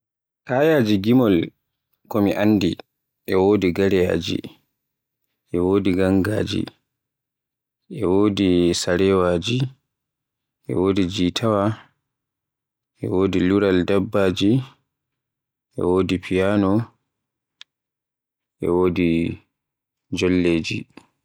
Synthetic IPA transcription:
kaːjaːd͡ʒiɡimɔl | kɔmiʔanːdi | ʔɛwoːdiɡaɾɛja̰ːd͡ʒḭ | ʔɛwoːdiɡaŋɡa̰ːd͡ʒḭ | ʔɛwoːdisaɾɛwaːd͡ʒi | ʔɛ̰woːdid͡ʒitʰawa | ʔɛ̰woːdiluɾaldabːaːd͡ʒi | ʔɛ̰woːdipʰijaːnɔ | ʔɛ̰woːdi | d͡ʒɔlːeːd͡ʒi

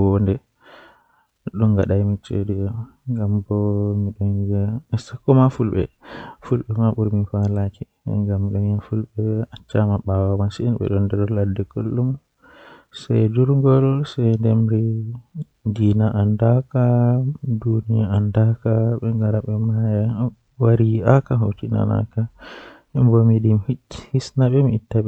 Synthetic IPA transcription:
wndɛ | ɗɔnɡaɗajmit͡ʃḛdiɔŋɡambɔmiɗɔnɡasakːɔmafulɓɛ̰fulɓɛmaɓuɾmifalaki | ɛ̰ŋɡamːiɗɔŋafulɓɛat͡ʃːamaɓawamansiinɓɛ̰ɗɔndɛɾɔladɛkolːum | sa̰jd͡ʒuɾŋɡɔlsɛjndɛmɾi | diːnaʔandakadunijaandakaɓɛŋɡaɾaɓɛmaja | waɾiakaɦotːina̰na̰kahɛmbomidimhi̥hisnaɓɛmiːtːaɓɛ

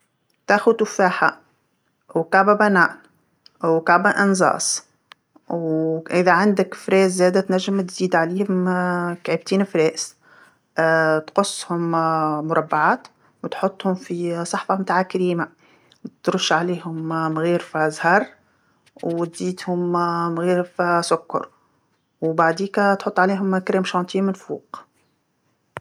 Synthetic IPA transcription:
t̪æːxʊt̪ʊfaːħa̰ | wkaʕbæbænaːʔn | wkaʕbaʔɪnzˤɑ̰ːsˤ | wʔɪðæʕand̪ɪkfɾɛːzːɛːd̪æt̪næʒːɪmt̪ziːd̪ʕaliːhʊmkʕəb̚t̪iːnfɾɛːʔs | t̪qʊsːhʊmmʊɾˤɑbːaʕaːt̪ | wt̪ħot̪ˤːhʊmfisˤɑħfɑmt̪aːʕakaɾiːma | t̪ɾʊʃːʕaliːhʊmmɣiːɾfizhɑːɾˤ | wt̪ziːt̪hʊmmɣiːɾfisʊkːɑ̰ɾˤ | wbaʕd̪iːkt̪ħot̪ˤːʕaliːɦʊmkɾɛːmʃɑːnt̪ʰiːmɪnfṵːq

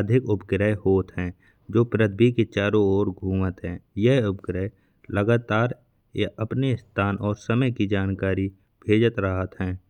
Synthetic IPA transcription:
d̪ʱɪkʊp̚ɡɾəehoːt̪ɦɛ̃ː | d͡ʒoːpɾəd̪̚ʰbiket͡ʃaːɾoɔːɾɡʱuːmət̪ɦɛ̃ːjəɦʊpɡɾə | ləɡaːt̪aːɾ | əpnest̪ʰaːnʔɔːɾsəməjkid͡ʒaːnkaːɾi | bʱeːd͡ʒət̪ɾəɦət̪ɦɛ̃ː

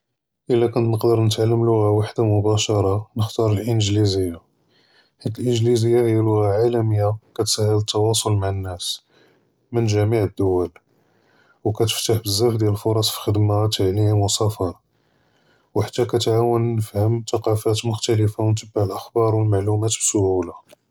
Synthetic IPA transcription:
ʔəlːækʊnt̪nəqd̪əɾˤnət̪ʕalːəmlʊɣæwaħd̪amʊbæʃɑɾˤɑnəxt̪ɑɾˤəlʔənʒlizəjːa | ħat̪ːəlʔənʒlizəjːahəjælʊɣaʕalæməjːakæt̪sæhːələt̪ːɑwɑsˤolmaʕənːæs | mənʒæmiʕəd̪ːʊwæl | wkæt̪ə̥ft̪aħbəzːæfd̪jæləlfoɾˤɑsˤfi̥xəd̪mat̪ːaʕlimwəsæfɑɾˤ | wħat̪ːækæt̪ʕawənːəfhəmt̪ɑqɑfæt̪mʊxt̪æləfawnt̪əbːaʕəlʔəxbɑɾˤwəlmaʕlumæt̪bsohula

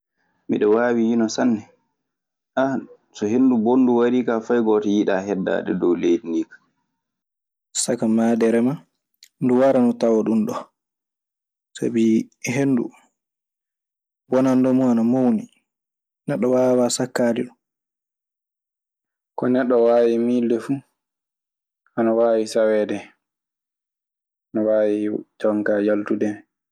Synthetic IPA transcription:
mḭɗɔwaːwijinɔsanːɛ | ʔa | sɔhendubonːduwaɾiːkafajɡɔtɔjiɗa̰ːɦɛdːa̰ːɗɛ̰dɔwlejdiniːkḁ | sakamaːdɛɾɛma | nduwaɾanɔtawɔɗunɗɔ | sa̰biɦenːdṵ | wɔnandɔmuanamowni | nɛɗːɔwawasakːadiɗum | kɔnɛɗːɔwaːwimildɛfu | ʔanawaːwisawɛːdɛ | anawawid͡ʒɔŋkajaltudɛ

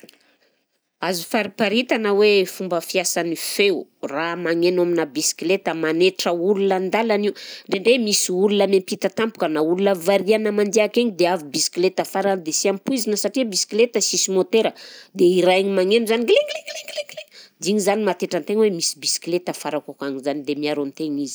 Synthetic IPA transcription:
azufaɾipaɾit̪anəwefumbəfiasanifewramaŋenaminəbisi̥klet̪əmaneʈ͡ʂəulunənd̪alaniwɳɖ͡ʐeɳɖ͡ʐemisiulunəmempit̪at̪ampu̥kənaulunəvaɾianəmand̪eakeŋid̪eavibisi̥klet̪əfaɾand̪esiampuizinəsaʈ͡ʂiəbisi̥klet̪əsisimot̪eɾəd̪eiɾaeɲimaŋenuzaniɡleŋleɡleŋɡleɡled̪iɲizanimat̪eʈ͡ʂant̪eŋwemisi̥bisi̥klet̪əfaɾakakaŋizanid̪emiaɾont̪eɲizi̥

